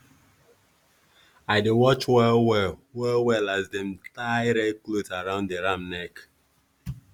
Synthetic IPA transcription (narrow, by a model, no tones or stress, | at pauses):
aɪdewɔt͡ʃwɛwɛwɛlwɛlazdɛ̃mtaɪɹɛklotaɹãʊ̃ndeɹãmnɛk